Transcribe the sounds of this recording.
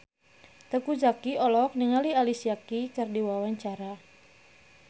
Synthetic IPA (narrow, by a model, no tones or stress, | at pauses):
t̪əkud͡ʒakiɔlɔk̚niŋalialisiakikərdiwawaɲt͡ʃaɾa